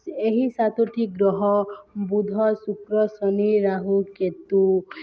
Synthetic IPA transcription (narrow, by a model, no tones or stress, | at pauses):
eɦisat̪oʈʰiɡɾɔɦɔbud̪ʱɔsukɾɔsɔniɾaɦuket̪u